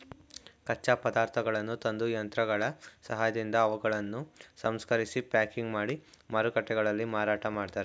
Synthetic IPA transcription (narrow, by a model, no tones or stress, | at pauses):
kɐt͡ʃːaːpɐd̪aːɾt̪ʰɐɡɐɭɐnːut̪ɐnd̪ujɐnt̪ɾɐɡɐɭɐsɐɦaːjɐd̪ind̪ɐːʋuɡɐɭɐnːusɐmskɐɾisipaːkiŋɡmaːɽi | mɐɾukɐʈːɛɡɐɭɐlːimaːɾaːʈɐmaːɖt̪aːɾe